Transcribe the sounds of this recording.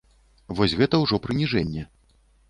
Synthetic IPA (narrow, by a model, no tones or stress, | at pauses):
vɔsʲɣɛt̪ɐwʐɔpɾɨnʲiʐɛnʲːɛ